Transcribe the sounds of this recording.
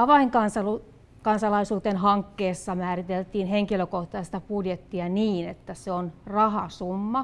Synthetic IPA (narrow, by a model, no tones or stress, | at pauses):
ɑʋɑiŋkɑnsɑlu | kɑnsɑlɑisuːt̪enɦɑŋkːeːsːɑmæːrit̪elt̪iːnheŋkiløkoht̪ɑist̪ɑpudjet̪ːiɑniːnet̪ːæseonrɑhɑsumːɑ